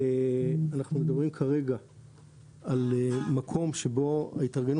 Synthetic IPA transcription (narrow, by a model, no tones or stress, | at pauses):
eanaχnumed̪abʁimkʰaʁe̞ɡa | alemakʰo̞mʃebo̞a̰it̪aʁɡen